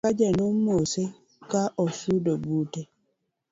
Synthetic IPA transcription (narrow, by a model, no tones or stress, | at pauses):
ad͡ʒɛnomose | kaʔɔsudobute